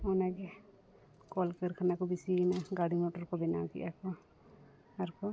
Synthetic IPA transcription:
ɔnaɡɛ | kɔlkəɾkʰanakɔbisinaɡaɽimɔʈɔɾkɔbɛnakḭʔakɔ | aɾkɔ

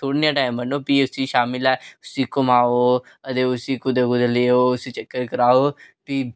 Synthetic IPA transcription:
t̪ʰoːɽ̃ijãʈaːɪmbənoːpiːʊsĩːʃaːmɪlɛːʊsĩːkʊmaːoː | ət̪eːʊsiːkʊd̪ekʊd̪əleːoːʊsiːt͡ʃəkːəɾkəɾaːoːpiː

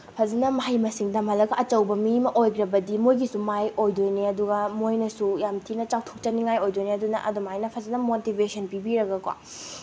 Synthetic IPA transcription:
pʰɐzɐnɐmɐɦajmɐsiŋdɐmɐlɐɡɐʔɐt͡ʃɐwbɐmimɐʔojkɾɐbɐdimojɡisumajojdojniɐduɡɐmojnɐsujamtʰinɐt͡ʃawtʰok̚t͡ʃɐniŋajojdojneɐdunɐ̰ʔɐdumɐɦajnɐpʰɐzɐnɐmotibʱesʰɐnpibiɾɐɡɐkwa̰

